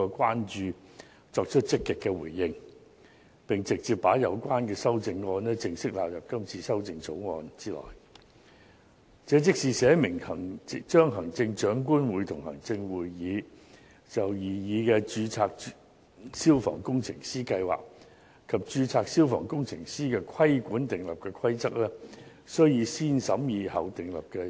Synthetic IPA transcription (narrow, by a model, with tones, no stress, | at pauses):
ɔː˧kwaː˥nt͡ʃyː˧ | t͡sɔː˧k̚t͡ʃʰɵ˥t̚t͡sɪ˥kːɪ˨kːɛː˧wuː˨˩jːɪ˧ŋ | pɪ˨ŋt͡sɪ˨k̚t͡siː˨˩p̚pːaː˨˥jɐ˨˧wkʷaː˥nkɛː˧sɐ˥wt͡sɪ˧ŋːɔː˧nɛ˥t͡sɪ˧ŋsɪ˥k̚laː˨p̚jɐ˨˩p̚kɐ˥mt͡sʰiː˧sɐ˥wt͡sɪ˧ŋt͡sʰo˨˥wŋɔ̰ː˨˧nt͡siː˥lɔ̰ː˨˩j | t͡sɛː˨˧˥t͡sɪ˥k̚siː˨˧sɛː˨˥mɪ˨˩ŋhɐ˨˩ŋt͡ʃœː˥ŋɦɐ˨˩ŋt͡sɪ˧ŋt͡ʃœː˨˥ŋk̬uː˥nwuː˨˥jt̪ʰʊ˨˩ŋɦɐ̰˨˩ŋt͡sɪ˧ŋwuː˨jːiː˨˧ | t͡sɐ˨wjiː˨jiː˨˧kɛ˧t͡ʃyː˨˧t͡sʰaː˧k̚ | siː˥wfɔ̰ː˨˩ŋkʊ˥ŋt͡sʰɪ̰˨˩ŋsiː˥kɐ˧jwa̰ː˨˩k̚ | kʰɐ˨p̚t͡ʃyː˨˧t͡sʰaː˧k̚siː˥wfɔ̰ː˨˩ŋkʊ˥ŋt͡sʰɪ˨˩ŋsiː˥kɛː˧kʰɐ˥jkʷuː˨˥nt̪ɪ˨ŋlɐ˨p̚kɛː˧kʰɐ˥jt͡sɐ˥k̚lɛː˥ | sɵ˥ɥjiː˨˧siː˥nsɐ˨˥mjiː˨˧hɐ˨˩wt̪ɪ˨ŋlɐ̰˨p̚kɛ˧